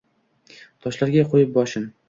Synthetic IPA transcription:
t̪ʰɒʃlaɾɡʲaqʰojɪp̚bɒʃɪm

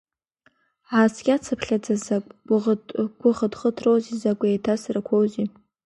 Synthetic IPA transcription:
ʕasɡʲʼat͡sʰapʰɬʲad͡zazakʷʼʊʁɡʷʼʊʁədχətʰrowzizakʷʼejtʰasarakʷʰowzi

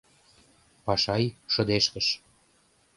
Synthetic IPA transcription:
pɑʃɑjʃɤ̆d̪eʃkə̆ʃ

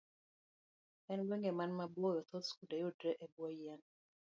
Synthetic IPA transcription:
ɛnɡwɛŋɡɛmanmabɔjɔt̪ʰɔt̪skudajudɾɛʔebwɔjan

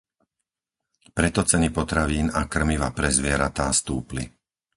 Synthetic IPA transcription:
pɾɛt̪ɔt͡sɛnipɔt̪ɾaʋiːnakr̩miʋapɾɛzʋɪɛɾat̪aːst̪uːplḭ

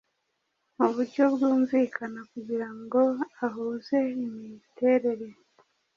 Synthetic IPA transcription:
muβuɾɟo̞bɡuːɱviːkʰanakuɟiɾaŋɡo̞aɦuːze̞imite̞ɾe̞ɾe

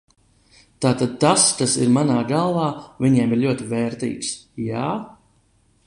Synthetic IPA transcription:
t̪aːt̪ad̪̚t̪askasḭɾmanaːɡalˠvɑːvʲiɲɛɛmiɾʎʲuɔt̪ivɛːɾt̪ḭːksjaː

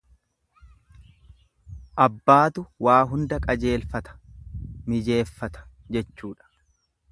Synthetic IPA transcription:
ʔɐbːaːt̪ʊwaːɦʊnd̪ɐkʼɐd͡ʒe̞ːlfɐt̪ɐ̥mɪd͡ʒe̞ːfːɐt̪ɐ̥ | d͡ʒɛt͡ʃːuːᶑɐ̥

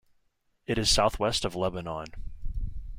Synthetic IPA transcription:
ɨɾɨz̥saʊθwɛstʌvlɛbənɑ̃n

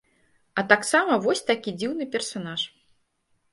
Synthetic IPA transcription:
ɐt̪aksamɐvɔsʲt̪akʲid͡zʲiwnɨpʲɛrsanaʂ

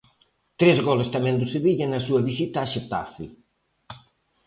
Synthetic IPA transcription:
t̪ɾezɣɔlest̪ɐmɛ̃nd̪ʊseβiʎɐnɐsuɐβisit̪aːʃet̪a̰fi

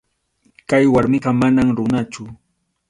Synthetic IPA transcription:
kajwaɾmɪɢɑmanamɾʊnat͡ʃʊ

